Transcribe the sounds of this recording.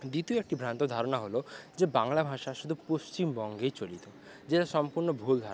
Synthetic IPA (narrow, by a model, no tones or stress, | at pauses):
d̪ɾit̪ioek̚ʈibʱɾant̪od̪ʱaɾonaɦolod͡ʑebaŋlabʱaʃaʃud̪ʱupost͡ɕimbɔŋɡejt͡ɕolit̪o | d͡ʑeʈaʃɔmpuɾnobʱuld̪ʱaɾ